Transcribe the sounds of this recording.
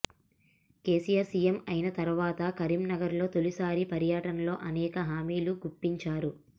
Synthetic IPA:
ke̞ːsijaɾsijemɐjinɐt̪ɐɾʋaːt̪ɐkɐɾimnɐɡɐɾlo̞ːt̪o̞lisaːɾipɐɾjaːʈɐnɐlo̞ːʔɐnɛːkɐɦaːmiːluɡupːiɲt͡ʃaːɾu

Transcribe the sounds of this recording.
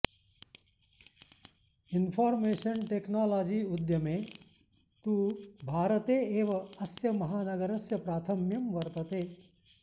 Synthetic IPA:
inpʰaːɾmeːʃɐnʈeːknaːlaːd͡ʒiːud̪jɐmẽ | t̪uːbʱaːɾɐt̪eːeːʋɐɐsjɐmɐɦaːnɐɡɐɾɐsjɐpɾaːt̪ʰɐmjɐmʋɐɾt̪ɐt̪eː

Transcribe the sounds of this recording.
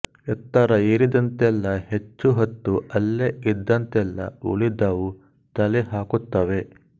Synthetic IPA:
ɛt̪ːɐɾɐiːɾid̪ɐnt̪ɛlːɐhet͡ʃːuɦɐt̪ːuɐlːeid̪ːɐnt̪ɛlːɐ̰ṵɭid̪ɐʋu | t̪ɐleɦaːkut̪ːɐʋe̞

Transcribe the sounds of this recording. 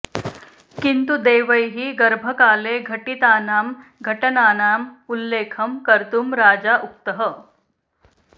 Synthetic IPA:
kint̪ud̪eːʋɐjɦiɡɐɾbʱɐkaːleːɡʱɐʈit̪aːnaːmɡʱɐʈɐnaːnaːmulːeːkʰɐmkɐɾt̪umɾaːd͡ʒaʔuk̚t̪əɦə

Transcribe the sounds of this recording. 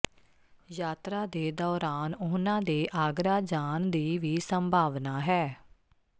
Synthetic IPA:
jaːt̪ɾaːd̪eːd̪ɔːɾaːnʊnãːd̪eːʔaːɡɾaːd͡ʒaːnd̪iːʋiːsəmbʱaːʋnaːɦɛː

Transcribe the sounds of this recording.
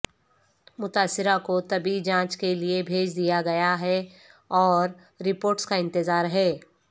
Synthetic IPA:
mʊt̪aːsːɪɾakot̪ɐbid͡ʒãːt͡ʃkeliebʱeːd͡ʒd̪ijaɡɐjaɦɛ | ɔːɾː | ɪpoːɾʈskaɪ̃nt̪ɪzaːɾɦɛː

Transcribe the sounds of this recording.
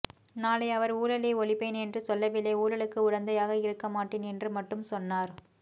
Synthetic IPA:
naːlɐɪɐʋɐɾuːlɐleːɔɭɪpːeːnɛndrɯsɔlːɐʋɪlːeːuːɭɐɭɯkːɯʊɽɐnd̪ɐjaːɣɐɪɾɯkːɐmaːʈːeːnɛndrɯmɐʈːɯmsɔnːaːɾ

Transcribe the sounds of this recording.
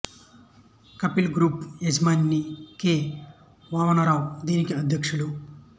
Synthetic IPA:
kɐpilɡɾuːped͡ʒmaːnːikeː | ʋaːʋɐnɐɾaːwd̪iːnikiɐd̪ʱjɐkʂulu

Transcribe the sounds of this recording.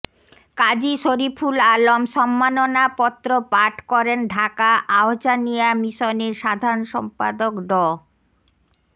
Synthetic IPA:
kad͡ʑiʃoɾipʰulalomʃɔmːanonapɔt̪ːɾopaɾʈʰkɔɾenɖʱakaʔaot͡ɕanijamiʃoneɾʃad̪ʱaɾonʃɔmpa̰d̪okɖɔ

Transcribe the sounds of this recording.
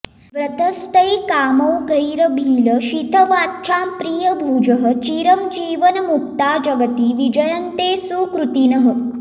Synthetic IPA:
ʋɾət̪əst̪əjkaːmɐwɡʱəjɾəbʱiːləʃit̪ʰəʋaːtt͡ʃʰampɾiːjəbʱuːd͡ʒəɦə̆t͡ʃiːɾəmd͡ʒiːʋənmuk̚t̪aːd͡ʒɐɡət̪iːʋid͡ʒəjənt̪eːsukɾut̪inəɦə̆

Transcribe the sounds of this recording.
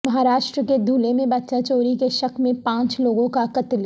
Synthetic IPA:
mɐɦaːɾaːʃʈɾəked̪ʱuːlemẽbɐtːʃãt͡ʃoːɾikeʃɐkʰmẽpãːt͡ʃloːɡõkakɐt̪l

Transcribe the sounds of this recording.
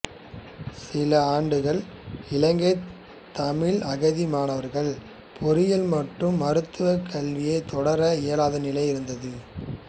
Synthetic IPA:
sɪlɐaːɳɖɯɣɐɭɪlɐŋɡɐɪ | t̪ːɐmɪɭɐɣɐðimaːnɐʋɐɾɣɐɭ | pʰɔɾɪjɪlmɐʈrɯmːɐɾɯt̪ːɯʋɐkʰːɐɭʋɪjɐɪt̪ɔɽɐɾɐɛjɐlaːðɐnɪlɐɪɪɾɯnd̪ɐðɯ

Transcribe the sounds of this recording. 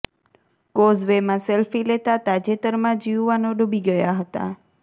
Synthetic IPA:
kozʋemãselfilet̪at̪ad͡ʒet̪əɾmãd͡ʒiwʋanoɖubiɡəjaɦət̪a̰

